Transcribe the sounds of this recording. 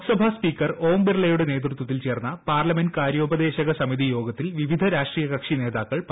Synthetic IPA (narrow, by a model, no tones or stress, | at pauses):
sɐbʱaspiːkːɐro̞ːmbirɭɐjuɽene̞ːt̪rut̪ːwɐt̪ːilt͡ɕe̞ːrnːɐpaːrlɐmendkaːɾjo̞ːbɐd̪e̞ːɕɐɣɐsɐmiðijo̞ːɡɐt̪ːilʋiʋid̪ʱɐɾaːʂʈriːjɐkɐkʂine̞ːðaːkːɐɭp